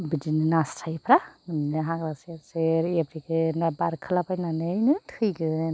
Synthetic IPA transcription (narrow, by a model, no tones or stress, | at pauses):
bidinɯnastʰajpʰɾaninɯɦãɡɾaseɾseɾebɾikɯnabaɾkʰɯlapajnanɯjnɯtʰɯjɡɯ